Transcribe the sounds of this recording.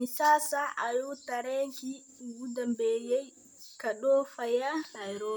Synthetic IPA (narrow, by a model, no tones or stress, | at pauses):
misaːsaʔajutaɾɛki | wudambɛjɛj | kaɗɔfajahajɾɔː